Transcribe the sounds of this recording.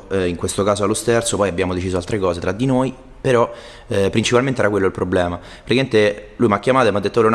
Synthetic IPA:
iŋkwest̪okaːzoalːost̪ert̪sopɔjabːjaːmod̪et͡ʃiːzoalt̪ɾekɔːset̪ɾad̪ːinoːj | peɾɔ | pːɾint͡ʃipalment̪eɛɾakwelːoilpɾoblɛːma | fɾkːment̪elujmakːjamaːt̪oemad̪ːet̪ːolun

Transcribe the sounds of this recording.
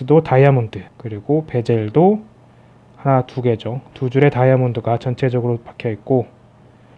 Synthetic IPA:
ɯdotaiamundɯkɯɾiɡope̞d͡ʑeɭdo | hanatuɡe̞d͡ʑʌŋtud͡ʑuɾe̞taiamundɯɡat͡ɕʌnt͡ɕʰe̞d͡ʑʌɡɯɾopakʰjʌit̚k͈o

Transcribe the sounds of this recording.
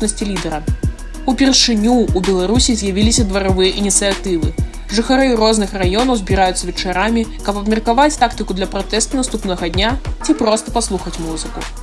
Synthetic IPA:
pnɐsʲt͡sʲilʲid̪ɛɾɐ | upʲɛrʂɨnʲuːbʲɛlˠaɾusʲizʲjavʲilʲisʲɐd̪vɐɾavɨjɐʔinʲit̪sɨjat̪ɨvɨ | ʐɨxaɾɨrɔznɨxrajɔnɐwzʲbʲiɾajut̪sɐvʲɛt͡ʂaɾamʲi | kɐbpɐbmʲɛrkavat͡sʲt̪akt̪ɨkud̪lʲɐpɾat̪ɛst̪ɐnast̪upnɐɣɐd̪ʲnʲat͡sʲipɾɔst̪ɐpaslˠuxɐt͡sʲmuzɨku

